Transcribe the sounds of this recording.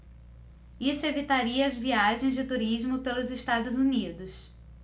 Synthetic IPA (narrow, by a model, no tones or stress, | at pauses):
isʊevit̪aɾiɐːzviaʒẽj̃zd͡ʒɪt̪uɾizmʊpelʊzɪʃt̪ad̪ʊzunid̪ʊs